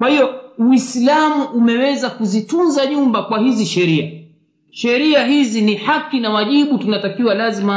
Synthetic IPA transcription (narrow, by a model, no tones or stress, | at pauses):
kwahiɔuislamuʔumɛwɛzakuzitunzaʄumbakwahiziʃɛɾia | ʃɛɾiaɦizinihakːinawaʄiɓutunatakiwalazima